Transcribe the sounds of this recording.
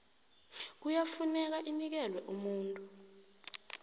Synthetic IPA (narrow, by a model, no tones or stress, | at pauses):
k̬ujafunɛk̬aʔinik̬ɛlwɛʔumuːntʼu